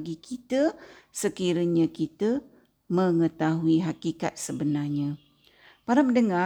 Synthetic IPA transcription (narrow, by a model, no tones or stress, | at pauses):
ɡikʰit̪əsəkiɾəɲə̃kit̪ə | mə̃ŋət̪aɦuiɦakika̰t̪̚səbənarɲã | paɾaməndəŋa